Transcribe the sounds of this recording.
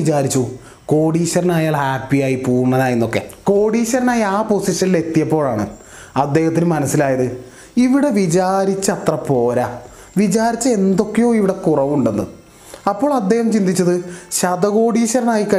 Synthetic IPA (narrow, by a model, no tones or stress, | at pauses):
it͡ɕaːɾit͡ɕːu | ko̞ːɽiːɕɐɾɐnaːjaːlhaːpːijaːjipuːɳːɐðaːjenːo̞kːe̞̰ko̞ːɽiːɕɐɾɐnaːjɐaːpo̞siʂɐnile̞t̪ːijɐpːo̞ːɭaːɳɨ̰ | ɐd̪ːe̞ːhɐt̪ːinɨmɐnɐsːilaːjɐðɨ | iʋiɽe̞ʋit͡ɕaːɾit͡ɕːɐt̪rɐpo̞ːɾa | ʋid͡ʑaːɾit͡ɕːɨe̞nd̪o̞kːejo̞ːiʋiɽe̞kurɐʋuɳɖe̞nːɨ̰ | ɐpːo̞ːɭɐd̪ːe̞ːhɐmt͡ɕind̪it͡ɕːɐðɨɕɐd̪ɐɣo̞ːɽiːɕɐɾɐnaːjikɐ